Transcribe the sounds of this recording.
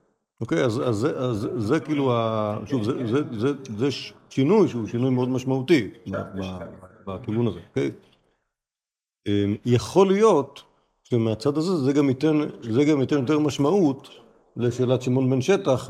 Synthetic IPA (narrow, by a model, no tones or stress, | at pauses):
ʔo̞ke̞jazazeʔazːekiːluaʃuvzezezezeʃʃinujʃeuʃinujmeod̪maʃmaut̪iba̰babatiɡunazeoke̞j | emjeχo̞lijo̞t̪ | ʃemeat͡sad̪azezeɡamit̪enzeɡamjotenjo̞t̪̬eʁmaʃmaut̪ | leʃeːlat̪ʃimo̞nbenʃe̞taχ